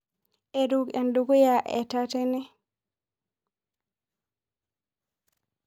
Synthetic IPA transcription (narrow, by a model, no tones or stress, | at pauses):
ʔɛdukɛnduɡujaʔɛ̰tatɛnɛ